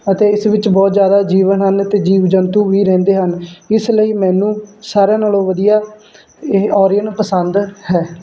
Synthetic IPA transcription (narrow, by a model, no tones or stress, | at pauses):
ət̪eːɪsʋɪt͡ʃbɔːt̪zjaːd̪aːd͡ʒiːʋənɦənət̪eːd͡ʒiːʋd͡ʒənt̪uːʋiːɾɛ̃ːnd̪eːɦənɪsləiːmɛ̃ːnũːsaːɾjãːnaːlõːʋəd̪ijaː | ɔːɾɪənpəsənd̪hɛː